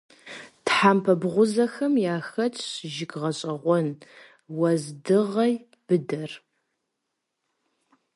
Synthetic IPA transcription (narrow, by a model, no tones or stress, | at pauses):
tħaːmpʰɐbʁʷʊzɐxɐmjaːxɐt͡ʃʰʼʒɪɡʁɐɕʼɐʁʷɔn | wɐzdɨʁɐj | b̥ɨdɐr